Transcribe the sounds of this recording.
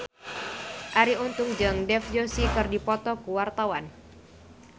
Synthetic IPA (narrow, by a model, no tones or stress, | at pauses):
ʔaɾiunt̪ʊŋd͡ʒaŋdɛfd͡ʒosikɨrdipɔt̪ɔkuwart̪awan